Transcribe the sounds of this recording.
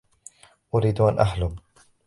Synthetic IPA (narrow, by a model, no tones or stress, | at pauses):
ʔʊɾiːd̪uʔanʔaħlʊm